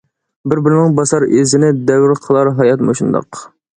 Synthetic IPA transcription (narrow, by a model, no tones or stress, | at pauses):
bɪɾbɪɾɪnɪŋbɑsɑɾezɪnɪd̪ɛwɾqʰəlˠɑɾɦɑjɑt̪moʃund̪ɑ̰q